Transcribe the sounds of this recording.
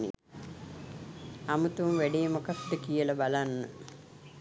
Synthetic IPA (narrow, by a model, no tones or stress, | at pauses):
nḭ | amut̪umʋæɖijəmokat̪ːəkijəlabalanːə